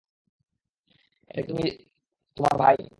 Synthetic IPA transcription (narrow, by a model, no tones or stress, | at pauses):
eek̪umi | t̪oma̰ɾbʱaj